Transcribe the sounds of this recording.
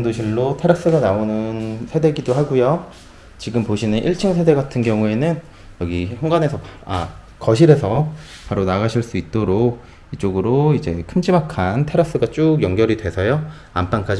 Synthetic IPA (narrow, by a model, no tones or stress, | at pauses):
ŋdoɕʰiɭːotʰe̞ɾas͈ɯɡanaonɯnsʰede̞ɡidoɦaɡujo | t͡ɕiɡɯmpoɕʰinɯnʔiɭt͡ɕʰiŋsʰe̞de̞ɡatʰɯnɡjʌŋue̞nɯn | jʌɡiçjʌŋɡane̞sʰʌpa̰ | kʌɕʰiɾe̞sʰʌpaɾonaɡaɕʰiɭs͈uit̚t͈oɾok̚ | it͡ɕ͈oɡɯɾoid͡ʑe̞kʰɯmd͡ʑimakʰantʰe̞ɾas͈ɯɡat͡ɕ͈oɡjʌŋɡjʌɾidwe̞sʰʌjo | amp͈aŋk͈ad͡ʑ